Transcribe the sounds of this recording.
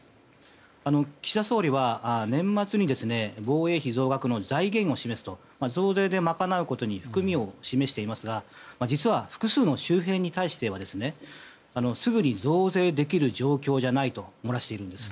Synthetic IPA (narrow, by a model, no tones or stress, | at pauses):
ano̞kʲi̥ɕsaso̞ːɾʲiβanẽ̞mːat͡sɨɲ̟id̪e̞sɨne̞bo̞ːe̞ːçizo̞ːɡakɯ̟no̞zaiɡẽ̞ɰ̃o̞ɕime̞sɨ̥t̪o̞ | mazo̞ːze̞ːd̪e̞makanaɯ̟ko̞t̪o̞ɲ̟iɸɯ̟̥kɯ̟mʲio̞ɕime̞ɕi̥t̪e̞imasɨɡamad͡ʑit͡sɨβaɸɯ̥kɯ̟sɨːno̞ɕɨːɦẽ̞ɲ̟ːit̪aiɕi̥t̪e̞β̞ad̪e̞sɨne̞ | ano̞sɨɡɯ̟ɲ̟izo̞ːze̞ːd̪e̞kʲiɾɯ̟ʑo̞ːkʲo̞ːʑanait̪o̞mo̞ɾaɕi̥t̪e̞iɾɯ̟nd̪e̞sɨ̥